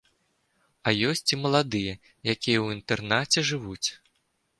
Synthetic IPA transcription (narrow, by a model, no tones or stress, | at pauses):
ɐjɔsʲt͡sʲimɐlˠad̪ɨjɐ | jakʲijɛwint̪ɛrnat͡sʲɛʐɨvut͡sʲ